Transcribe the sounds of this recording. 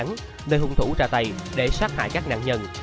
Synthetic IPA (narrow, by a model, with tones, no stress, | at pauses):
ŋ | nəː˧jhʊ˨˧˩ŋ͡mt̪ʰu˧˩˥t͡ɕaː˧˩t̪ə˨˩jɗe˧˩swaː˦˥k̚ha̰ː˧˨jkaː˦˥k̚na̰ː˧˨ŋɲə˧˩n